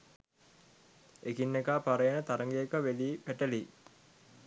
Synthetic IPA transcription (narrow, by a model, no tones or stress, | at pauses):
ekinːekaːpaɾəjənət̪aɾəŋɡejekəʋeliːpæʈəliː